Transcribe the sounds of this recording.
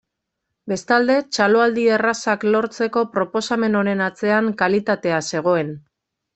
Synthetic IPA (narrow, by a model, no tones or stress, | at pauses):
be̞st̪ald̪e̞t͡ʃalo̞ald̪ierasaklo̞ɾt͡se̞ko̞pɾo̞po̞same̞no̞ɾe̞nat͡se̞aŋkalit̪at̪e̞ase̞ɣ̞o̞e̞n